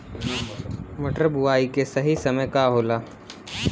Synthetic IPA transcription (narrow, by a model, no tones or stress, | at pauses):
mɐʈəɾbʊaːikesɐɦisɐməjkaɦoːlaː